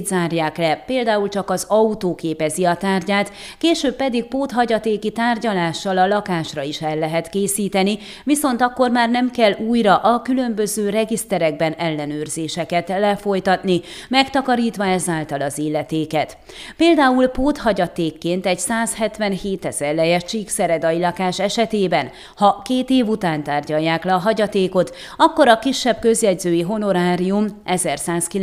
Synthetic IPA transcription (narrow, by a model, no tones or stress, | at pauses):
d̪zaːrjaːklɛpeːld̪aːult͡ʃɒkɒzɒut̪oːkeːpɛziɒt̪aːrɟaːt̪ | keːʃøːbːɛd̪iɡ̚poːt̪ɦɒɟɒt̪eːkit̪aːrɟɒlaːʃːɒlɒlɒkaːʃrɒiʃɛlːɛɦɛt̪keːsiːt̪ɛni | ʋiso̞nt̪ɒkːo̞rmaːrnɛmkɛluːjrɒʔɒkylømbø̞zøːɾɛɡist̪ɛɾɛɡ̚bɛnɛlːɛnøːrzeːʃɛkɛt̪lɛfo̞jt̪ɒt̪ni | mɛkt̪ɒkɒɾiːt̪ʋɒɛzaːlt̪ɒlɒziːlːɛt̪eːkɛt̪ | peːld̪aːulpoːt̪hɒɟɒt̪eːkːeːnt̪ɛɟsaːshɛt̪ʋɛnheːt̪ɛz̥ɛrlɛjɛʃt͡ʃiksɛɾɛd̪ɒjilɒkaːʃɛʃɛt̪eːbɛn | hɒkeːt̪eːvut̪aːnt̪aːrɟɒjːaːklɛɒɦɒɟɒt̪eːko̞t̪ | ɒkːo̞ɾɒkiʃːɛb̥̚køzjɛɟzøːjiɦo̞no̞ɾaːɾijumʔɛzɛrsaːski